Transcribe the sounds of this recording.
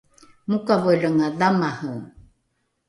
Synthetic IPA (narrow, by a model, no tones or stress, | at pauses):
mukavojləŋaðamahəw